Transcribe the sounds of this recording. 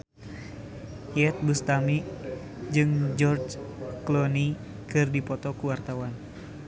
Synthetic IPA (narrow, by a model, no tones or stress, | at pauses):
iɛt̪̚bust̪ami | d͡ʒɨŋd͡ʒɔrd͡ʒklɔni | kɨrdipɔt̪ɔkuwart̪awan